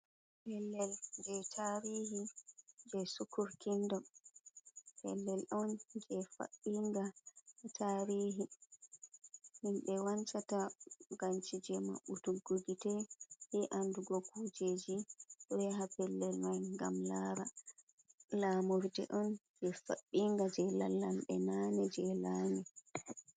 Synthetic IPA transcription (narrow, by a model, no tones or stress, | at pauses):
pɛlːɛld͡ʒɛtʰaːɾihid͡ʒɛsukuɾkindɔ | pɛ̰lːɛlɗɔnd͡ʒɛfa̰ʔiŋɡatʰaːɾiːɦi | hinɓɛwant͡ʃataɡant͡ʃid͡ʒɛma̰ɓutuɡuɡitɛhɛʔanduɡɔkud͡ʒed͡ʒiɗɔwɛɦapɛlːɛlmajŋɡamlaːɾa | laːmoɾdɛ̰ʔɔn | d͡ʒɛfa̰ɓːiŋɡad͡ʒɛla̰lːamɓɛnanɛd͡ʒɛlaːnɛ